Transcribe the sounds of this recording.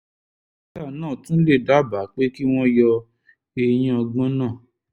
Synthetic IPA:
ta˦˨nãː˦˨tũ˦le˦˨da˨˦˨ba˨˦k͡pe˦ki˦w̃ɔ̃˦jɔ˧ | e˧j̃ĩ˦ɔ˧ɡ͡bɔ̃˦nãː˦˨

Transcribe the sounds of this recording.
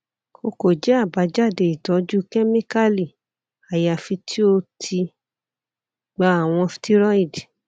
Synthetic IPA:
o˧ko˨d͡ʒɛ˨˦a˦˨ba˨˦d͡ʒa˦˨de˨i˨tɔ˨˦d͡ʒu˦kɛ˦mĩ˦ka˦li˨ | a˨ja˨fi˧tʰi˦o˧tʰi˧ | ɡ͡ba˧˦a˨w̃ɔ̃˧fi̥˧ti˦ɾɔ˦i˦˨d

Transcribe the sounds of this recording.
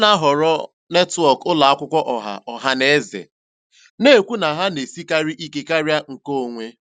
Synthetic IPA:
na˦ɦɔ˨ɾɔ˦ | ne˦twɔ˦˨kʊ˦la˨a˦kʷʊ˦kʷɔ˦ʔɔ˨ɦa̰˨ɔ˨ɦa˦ne˦zḛ˨ | ne˦˨kʷu˦na˨ɦa˦ne˨si˦ka˦ɾi˦ʔi˦ke˦ka˦ɾja˦ŋ̩˨ko˦o˨ŋʷe˦

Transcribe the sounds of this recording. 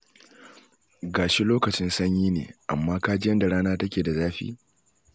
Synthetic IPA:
ɡaː˨ʃi˦loː˦kɐ˨t͡ʃɪ˦nsɐ˦ɲjiː˦nḛː˨ʔa̰˨mːaː˦kaː˦d͡ʒɪ˦jɐ˦nda˨ɽaː˦naː˦tɐ˦kʲeː˨da˨zaː˦ɸḭː˦

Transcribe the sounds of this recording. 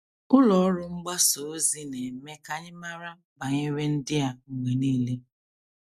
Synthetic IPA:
ʊ˦lɔ˨ɔ˦ɾʊ˦ŋ͡m̩˦ɡ͡ba˦so˨˦zi˦ne˨me˦ka˦ɲɪ˦ma˦ɾa˦ | ba˨ɲe˦we˦n̩˦dɪ˦a˦ŋ̩˨ŋʷe˨niː˦le˦

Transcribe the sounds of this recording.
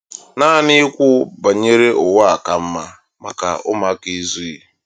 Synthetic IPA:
na˦nɪ˦kʷʊ˦ba˨ɲe˦ɾe˦ʔʊ˨wa˦a˨ka˨m̩˦ma˦ | ma˨ka̰˨ʊ˦ma˦ki˦zu˦i˨

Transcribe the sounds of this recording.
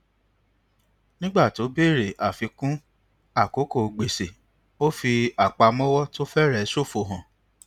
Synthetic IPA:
nĩ˦ɡ͡ba˦˨to˨˦be˦˨ɾe˨ʔa˨fi˧kũ˦ | a˦˨ko˨˦ko˦˨˧ɡ͡be˨se˨ | o˦fi˧a˨k͡pa˧mɔ̃˦wɔ˦to˦fɛ˦ɾɛ˦˨˦so˦˨fo˧˨ɦã˨

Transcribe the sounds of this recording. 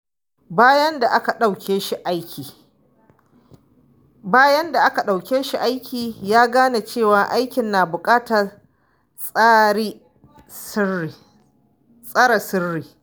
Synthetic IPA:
baː˦jɐ˦nda˨ʔa˦ka˨ɗa˦˨wkʲʰeː˦ʃi˦ʔa˦jkʲʰiː˨ | baː˦jɐ˦nda˨ʔa˦ka˨ɗa˨wkʲeː˦ʃi˦˨ʔa˦jkʲʰiː˨jaː˦ɡaː˦na˨t͡ʃeː˦˨waː˨ʔa˦jkʲɪ˨nːaː˨bʊ˨kʼaː˦tɐ˨ | sʼaː˦ɽi˦ | sɪ˦ri˨ | sʼa˦ɾɐ˨sɪ˦rːiː˨

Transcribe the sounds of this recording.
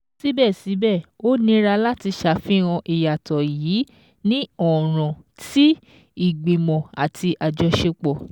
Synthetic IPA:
si˦bɛ˦˨si˨˦bɛ˦˨o˦nĩ˧˦ɾa˧la˦ti˧ʃa˦˨fĩ˦ɾ̃ã˧ʔi˨ja˨tɔ˨jiː˨˦ | nĩ˦ɔ˨ɾ̃ɔ̃˨ti˦ | i˨ɡ͡be˨mɔ̃˨a˨tʰi˧ʔa˨d͡ʒɔ˧ʃe˧k͡pɔ˨

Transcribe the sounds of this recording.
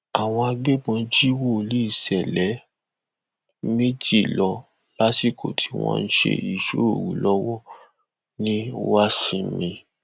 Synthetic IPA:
a˨w̃ɔ̃˧a˧ɡ͡be˦ɡ͡bɔ̃˧d͡ʒi˦wo˦˨li˦i˦˨sɛ˨lɛ˨˦ | me˦d͡ʒi˦˨lɔ˧ | la˦si˦˨kʰo˨tʰi̥˧w̃ɔ̰̃˧n̩˦ʃḛ˧i˨ʃo˦o˦˨wu˨˦lɔ˦wɔ˦ | nĩ˦wa˦sĩ˧mĩ˧

